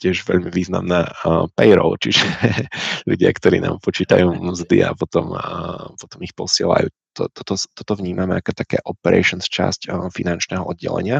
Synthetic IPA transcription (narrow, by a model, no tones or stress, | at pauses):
cɪɛʒʋɛʎmiʋiːzna̰mnaːpɛjɾɔ̰ʊt͡ʃiʒɛ | ʎuɟɪakt̪ɔɾiːna̰ːmpɔt͡ʃiːt̪ajuːmzd̪ḭa̰pɔt̪ɔmpɔt̪ɔmixpɔsɪɛla̰juː | t̪ɔ̰t̪ɔt̪ɔt̪ɔt̪ɔvɲiːmamɛakɛt̪akɛ̰ːʔɔpɛɾʔɛ̰jʃɔnst͡ʃa̰scfinant͡ʃnɛːɦɔʔɔd̪ɟɛ̰lɛ̰ɲɪa